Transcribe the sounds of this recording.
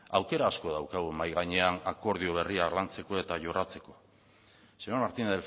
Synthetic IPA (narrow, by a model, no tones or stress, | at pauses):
awke̞ɾaːsko̞ðawkaɣ̞umajɣ̞aɲe̞anako̞ɾð̞io̞β̞e̞rialant͡se̞ko̞e̞t̪aʝo̞rat͡se̞ko̞̥ | seomaɾt̪ineðel